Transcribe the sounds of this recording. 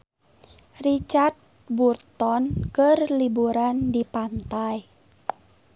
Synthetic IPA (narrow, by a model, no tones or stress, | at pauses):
rit͡ʃart̪̚ | burt̪ɔnkərlibuɾandipant̪aj